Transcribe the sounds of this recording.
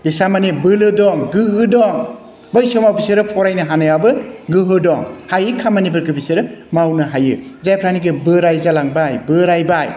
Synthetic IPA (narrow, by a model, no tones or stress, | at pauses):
bisamanebɯlɯdɔŋɡɯɦɯdɔŋ | bɯjsɯmawbisɯɾɯpʰɔɾajnɯɦanajabɯɡɯɦɯdɔŋhajɯkʰamanibɯɾkɯbisɯɾɯmawnɯɦajɯzajpʰɾaniɡɯbɯɾajzalaŋbajbɯɾajbaj